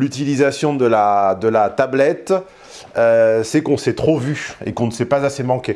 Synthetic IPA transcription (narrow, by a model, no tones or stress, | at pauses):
lyt̪ilizasjɔ̃d̪əlad̪əlat̪ablɛt̪ | øsɛkɔ̃sɛt̪χovyḛkɔ̃nəsɛpazasemɑ̃ke